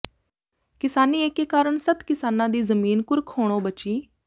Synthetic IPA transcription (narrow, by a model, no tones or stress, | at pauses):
kɪsaːniːeːkeːkaːɾəɳsət̪kɪsaːnãːd̪iːzəmiːnkʊɾkʰoːɽ̃õːbət͡ʃiː